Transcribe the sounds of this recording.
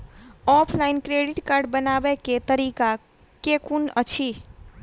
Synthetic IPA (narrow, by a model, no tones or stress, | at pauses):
ɔpʰlainkɾeɖiʈkaɾɖbənabeket̪əɾika | kekunət͡ʃʰi